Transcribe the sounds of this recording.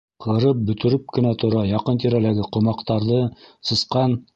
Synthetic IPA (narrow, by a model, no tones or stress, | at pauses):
qʰɤ̆ɾɤp̚bɵ̆t̪ɵ̆ɾɘp̚kɘ̆næt̪ʰŏɾɑjɑqɤnt̪iɾælæɡɘqŏmɑqt̪ɑɾðɤsɤ̆sqɑn